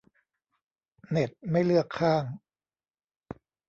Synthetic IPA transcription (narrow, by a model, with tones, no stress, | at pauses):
ne˨˩t̪̚ma˥˩jlɯ˥˩əkʰːaː˥˩ŋ